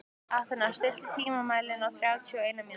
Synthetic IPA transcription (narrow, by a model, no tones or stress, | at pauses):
aθɪnḁst̪ɪ̥t̪ʏt̪ʰiːmamaːjlɪnawθɾjaːwt̪ʰiɔeːjnami